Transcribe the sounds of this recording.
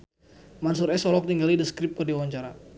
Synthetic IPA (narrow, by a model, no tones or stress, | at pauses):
mansuɾɛsɔlɔk̚tiŋɡalidəskɾip̚kɨrdiwaɲt͡ʃaɾa